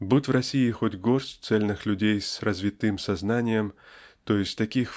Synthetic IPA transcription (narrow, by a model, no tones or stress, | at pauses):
but̪ʲvɾɐsʲiːxotʲɡorsʲt̪sɛlʲnɨxlʲʉdʲejsrɐzvʲit̪ɨmsɐznanʲɪjəmt̪ojɪsʲt̪ʲt̪ɐkʲix